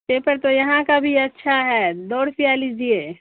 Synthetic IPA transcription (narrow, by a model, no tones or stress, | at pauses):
pepəɾt̪ojɐɦãkabʱiɐtːʃʰaɦɛd̪ɔːɽsijalid͡ʒie